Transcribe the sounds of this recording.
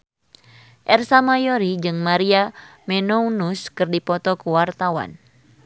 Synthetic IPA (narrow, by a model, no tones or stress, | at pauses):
ʔɛrsamajɔɾid͡ʒɨŋmaɾiamɛnɔunuskɨrdipɔt̪ɔkuwart̪awa̰n